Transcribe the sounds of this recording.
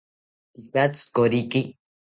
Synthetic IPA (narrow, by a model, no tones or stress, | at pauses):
t̪ikat͡skoɾiki